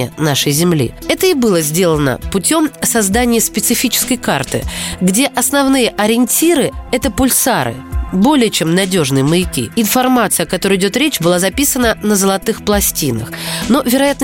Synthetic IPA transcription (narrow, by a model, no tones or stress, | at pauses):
jə̰naʂəjzʲɪmlʲḭɛt̪əɪbɨlˠəzʲdʲe̞lˠənə̰pʊtʲo̞msɐzd̪anʲɪjəspʲɪt̪sɨfʲit͡ɕɪ̥skəjkart̪ɨ̰ɡdʲe̞ʔɐsnɐvnɨjəʔɐɾʲɪnʲtʲiɾɨɛt̪əpʊlʲsaɾɨ̰bo̞lʲɪjət͡ɕe̞mnɐdʲo̞ʐnɨjəməɪkʲḭɪnfɐrmat̪sɨjɐkɐt̪o̞ɾɨjɪdʲo̞t̪ɾʲet͡ɕbɨlˠazɐpʲisənənəzəlˠɐt̪ɨxplˠɐsʲtʲinə̰xno̞vʲɪɾɐjat̪n